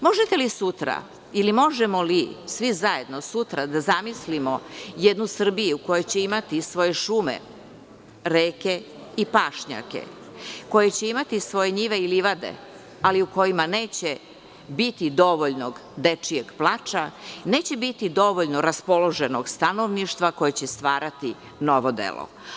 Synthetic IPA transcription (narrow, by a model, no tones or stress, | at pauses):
mo̞ʒet̪elisut̪ɾa̰ | ilimo̞ʒemo̞lisʋizaje̞d̪nosut̪ɾad̪azamislimo̞jed̪nusr̩bijuuko̞jojt͡ɕeimat̪isʋo̞jeʃume̞̰ | ɾeːke̞ | ipaːʃɲa̰kḛ | ko̞jet͡ɕe̞imat̪isʋo̞jeɲiʋe̞iliʋad̪e̞̰ | aliuko̞jimane̞ːt͡ɕe | bit̪id̪o̞ʋo̞ʎno̞ɡd̪et͡ʂijeɡplˠaːt͡ʃane̞ːt͡ɕe̞bit̪id̪o̞ʋo̞ʎnoɾaspo̞lo̞ʒenoɡst̪anoʋniʃt̪ʋako̞jet͡ɕest̪ʋaːɾat̪i | noʋod̪ḛlo̰